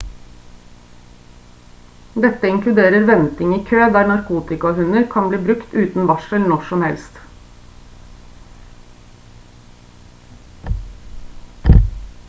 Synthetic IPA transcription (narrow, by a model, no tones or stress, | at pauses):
d̪ɛt̪ːəɪŋklʉd̪eːɾəɾʋɛnt̪ɪŋiːkʰøːd̪æːɾɳɑɾkʰuːt̪ɪkɑhʉnəɾkʰɑnbliːbɾʉkt̪ʉːt̪n̩ʋɑʃəlnɔʃɔmhɛlst̪